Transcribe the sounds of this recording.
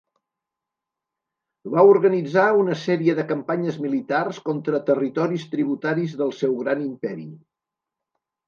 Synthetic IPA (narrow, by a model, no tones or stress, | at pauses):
βauɾɣənid͡zaunəsɛɾiəðəkəmpaɲəzmilit̪arskɔnt̪ɾət̪ərit̪ɔɾist̪ɾiβut̪aɾizðəlˠsɛwɣɾanimpɛɾḭ